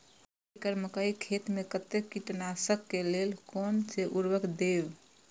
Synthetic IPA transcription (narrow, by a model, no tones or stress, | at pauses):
ekəɾməkəikʰet̪mekət̪ekiʈnasəkːelelkonseʔuɾbəkd̪eb